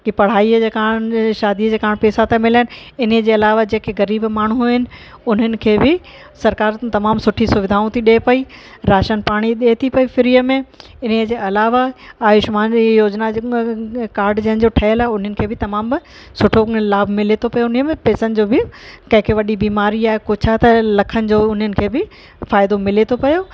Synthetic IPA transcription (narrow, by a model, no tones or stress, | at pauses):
kipɐɽ̤aːiəd͡ʑeːkaːɽ̃ʃaːd̪iəd͡ʑeːkaːɽ̃pɛːsat̪ʰãmɪlaːɪnɪɪnəd͡ʑeːɐlaːʋad͡ʑeːkeɣɐɾiːbmaːɳ̤uɦɪnɪ̆ʊn̤ənɪ̆kʰeːbɪ | sɐɾkaːɾt̪ɐmaːmsʊʈʰisʊʋɪd̪ʱaːũt̪ʰiɗeːpɐiɾaːʃənpaːɽ̃iɗeːt̪ʰipɐifɪɾijəmẽ | ɪn̤əd͡ʑeːɐlaːʋaaːjɪʃmaːnijoːd͡ʑna | kaːɾɖd͡ʑɐɦənɪ̆d͡ʑoːʈʰɐəlaːɦeʊn̤ənɪ̆kʰeːbɪt̪ɐmaːm | sʊʈʰolaːbʱmɪlet̪ʰopɐjonimẽpɛːsənɪ̆d͡ʑoːbɪkɐ̃ɦɪ̃kʰeʋɐɗibiːmaːɾiaːɦekot͡ɕʰat̪ɐlɐkʰənɪ̆d͡ʑoːʊn̤ənɪ̆kʰeːbɪ | faːɪd̪omɪlet̪ʰopɐjo